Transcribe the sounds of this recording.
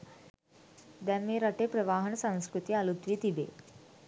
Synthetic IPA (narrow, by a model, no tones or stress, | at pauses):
d̪ɛmːeɾaʈepɾəʋaːɦəɳsãŋ̃skɾut̪ialut̪ʋiːt̪ibḛ